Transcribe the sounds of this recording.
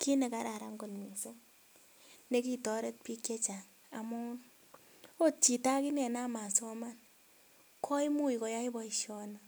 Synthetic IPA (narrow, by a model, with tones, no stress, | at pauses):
ki˦ne˨ka˨ɾa˨ɾa˨ŋɡo˨nmi˨se˦ | ne˦ki˦tɔ˦ɾe˦t̚pi˦kje˦t͡ʃa˨ŋ | a̰˨mɔ˦n | o˦t͡ʃi˨ta˦ki˦nɛ˨na˦ma˨sɔ˦ma˦n | kʰɔ˦i˦mu˦i˨kɔ˨ja˦i˦bɔ˦iʃjɔ˦na